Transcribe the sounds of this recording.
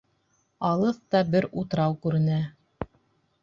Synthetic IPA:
ɑlˠɤθt̪ɑbɘɾut̪ɾɑwkʉɾɘ̆næ

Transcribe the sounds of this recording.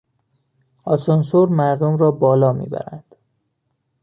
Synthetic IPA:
ɒsonsoɾmæɾd̪omɾɒːbɒːlɒːmḭːbæ̰ɾæ̰nd̪̥

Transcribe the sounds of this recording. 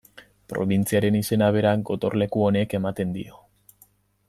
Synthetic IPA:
pɾo̞̰βint͡siaɾe̞nise̞naβ̞e̞ɾaŋɡo̞t̪o̞ɾle̞kuo̞ne̞ke̞mat̪e̞nd̪ḭo̞

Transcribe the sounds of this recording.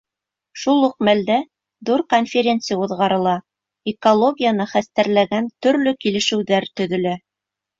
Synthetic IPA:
ʃulˠuq̚mæld̪æ | ðuɾkonfʲɪɾʲe̞nt̪sɨjauðʁɑɾɤ̆lˠɑ | ekolˠo̞ɡʲijanɤχæst̪æɾlæɡænt̪ɵ̆ɾlɵkilɘ̆ʃɘ̆wðæɾt̪ɵ̆ðɵ̆læ

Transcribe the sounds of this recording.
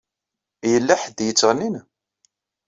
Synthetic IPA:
jəlːæħəd̪jət͡sːʁnin

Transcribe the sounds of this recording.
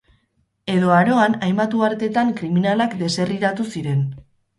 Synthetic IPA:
e̞ðo̞aɾo̞anajmat̪uaɾt̪e̞t̪aŋkɾiminalakd̪e̞se̞riɾat̪usiɾe̞n

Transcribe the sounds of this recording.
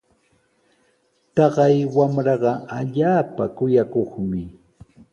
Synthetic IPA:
t̪ɑɢɑjwamɾɑɢɑaʎaːpakʊjakoχmɪ

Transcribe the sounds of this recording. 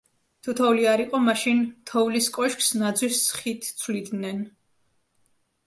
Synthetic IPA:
t̪ʰut̪ʰɔuliaɾiqʼɔmaʃint̪ʰɔvliskʼɔʃkʰsnad̪zwisːχit̪ʰt̪sʰvlid̪nɛn

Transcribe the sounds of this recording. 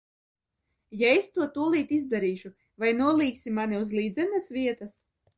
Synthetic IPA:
jaest̪uɔt̪uɔlˠiːt̪izd̪aɾiːʃu | vajnuɔlˠiːksʲimanʲiuzlˠiːd̪zɛnasvʲiɛt̪as

